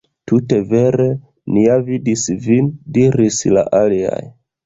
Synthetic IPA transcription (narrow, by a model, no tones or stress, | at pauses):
tute̞ve̞ɾe̞ | niavidisvindiɾisla̰ʔalia̰j